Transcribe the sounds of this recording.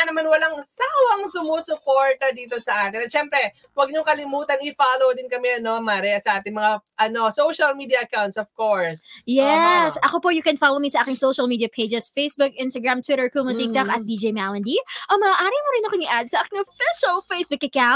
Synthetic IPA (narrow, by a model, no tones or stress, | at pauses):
nɐmanwɐlaŋsawɐŋsʊmoːsʊpoɹt̪ɐd̪iːt̪o̞sɐʔaːt̪ɪnɐt̪ʃɛmpɾɛ | wɐɡ̚ɲʊŋkɐlɪmuːt̪ɐnɪfaːlowd̪ɪnkɐmɛɐno̞maɾɛsɐʔaːt̪ɪŋmɐŋaʔɐno̞sowʃɐlmiːd̪iɐʔɐkawnt̪sɔvkoɹsjɛsʔɐkopojʊkɛnfaːlowmisɐʔaːkɪŋsoʃɐlmiːd̪iɐpʰejd͡ʒɛsfejsbʊk̚ʔɪnst̪ɐɡɹamt̪wɪɾɛɹkulmɐt̪ɪk̚t̪ɐkɐt̪̚d̪id͡ʒejmalɐnd̪iʔomɐaʔaːɾimoɾɪnɐkoŋɪʔad̪̚sɐʔaːkɪŋofɪʃɐlfejsbʊkɐkaw